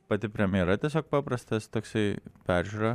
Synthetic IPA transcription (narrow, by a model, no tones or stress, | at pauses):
pɐt̪ʲɪpʲɾʲɛmʲɪjɛɾɐt̪ʲiɛs̬ʲoːk̚pɑːpɾɐst̪ɐst̪oːksɐɪpʲæːˑɾʲʒʲuːɾɐ